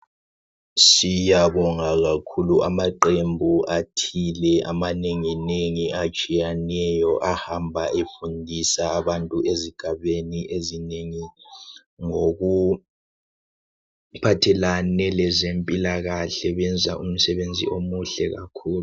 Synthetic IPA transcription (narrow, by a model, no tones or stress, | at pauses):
sijaβɔŋaɣakʰuluʔamaǃembʱuʔatʰilɛʔa̰maneŋineŋiat͡ʃʼijanɛjɔʔahambʱaʔefundʱisaːβantʼuʔeziɡ̥ʱaβeniʔezineŋi | ŋoɣu | pʰatʰɛlanɛlɛzempʼilaɣaɬɛβɛnd͡zʱa̰ʔum̩sɛβend͡zʱḭʔomuɬɛɣa̰kʰuːlu